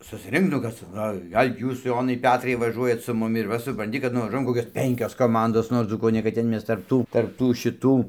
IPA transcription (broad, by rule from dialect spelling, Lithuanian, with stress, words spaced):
sʊsʲˈrʲɪŋk nʊ ˈkɐs t͡sɐ oː ˈɡɐlʲ ˈjuːs ˈjoːnɐɪ ˈpʲæːtrɐɪ ʋɐˈʒuɔjɛt sʊ ˈmʊmʲɪ ɪr ˈʋɐ sʊprɐnʲˈtʲɪ kɐt nʊʋɐˈʒuɔjɛm ˈkoːkʲoːs ˈpʲɛŋʲkʲoːs koːˈmɐndoːs ˈnoːr nuɔ ˈd͡zuːkuː oː nʲɛ kɐt ˈtʲɛn ˈmʲɛs tɐrp ˈtuː tɐrp ˈtuː ʃʲɪˈtuː